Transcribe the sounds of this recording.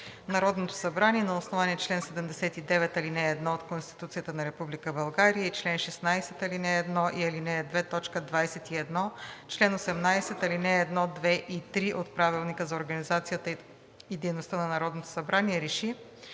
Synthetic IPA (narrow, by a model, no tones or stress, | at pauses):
nɐɾɔd̪not̪o̥sɐbɾaniɛnɐosnovaniɛt͡ʃlɛnsɛd̪ɛmd̪ɛsɛt̪id̪ɛvɛt̪ɐlinɛːd̪nɔot̪konst̪i̥t̪ut̪sijət̪ənɐɾɛpublikəbɐlˠɡaɾijəit͡ʃlɛnʃɛsnajsɛt̪ɐlinɛːd̪nɔʔiɐlinɛːd̪vɛt̪ɔt͡ʃkəd̪vajsɛt̪iɛd̪nɔt͡ʃlɛnosɛmnajsɛt̪ɐlinɛːd̪nɔd̪vɛʔit̪ɾiʔot̪̚pɾavilˠnikəzɐoɾɡɐnizat̪sijət̪ə | id̪ɛjnost̪ənɐnɐɾɔd̪not̪o̥sɐbɾaniɛɾɛʃi